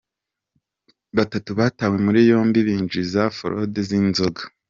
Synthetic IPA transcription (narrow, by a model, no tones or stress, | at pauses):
βatatuβaːtaːwe̞muɾijo̞ːmbiβiːnd͡ʒizafo̰ɾo̰dezinzoɡḁ